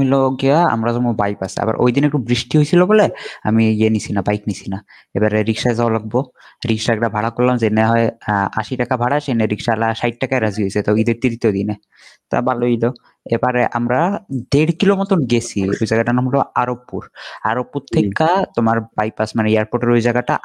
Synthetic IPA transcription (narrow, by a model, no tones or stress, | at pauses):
milɔɡiaa̰mɾazɔmubajpasa̰ba̰ɾʔo̰jd̪ineɛk̚ʈubɾisʈiɦojsʰilobolea̰mienisʰinabajknisʰina | ebaɾeɾikʃaezawalaɡ̚bo | ɾikʃaɛk̚ʈabʱaɽakollamzeneɦɔea̰ʃiʈakabʱaɽaʃeneɾikʃalaʃajʈ̚ʈakaeɾaziɦojsʰet̪aid̪eɾt̪id̪it̪ojd̪ine | t̪a̰baloilo | ebaɾeʔa̰mɾad̪eɽkilomɔt̪ɔnɡesʰiojzaɡaʈanamlɔaɾopːuɾa̰ɾopːuɾt̪ʰːekːat̪omaɾbajpasmaneiaɾpoʈeɾojzaɡaʈa